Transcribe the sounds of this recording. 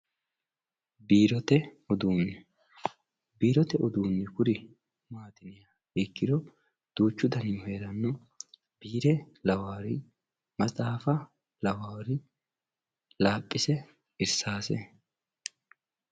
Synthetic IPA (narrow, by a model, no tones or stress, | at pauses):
biːɾɔt̪ɛ | ɔd̪uːnːɛ | biːɾɔt̪ɛʔɔd̪uːnːɛkʊɾɪ | maːt̪ɪnɪja | ɪkːɪd̪ɔ | d̪̥uːt͡ʃːʊd̪ɐnɪɔheːɾɐnːɔ | biːɾɛ | lɐwaːɾɪ | mɐt͡sʼaːfɐ | lɐwaːɾɪ | laːpʼːɪsɛ | ɪɾsaːsɛ̰